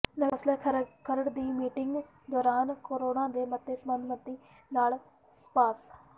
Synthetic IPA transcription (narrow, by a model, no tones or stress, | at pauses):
nəslɛːkʰəɾəɽd̪iːmiːʈɪŋɡ | d̪ɔːɾaːnkoːɾoːnãːd̪eːmət̪ːeːsəmənd̪mət̪ːiː | naːl | spaːs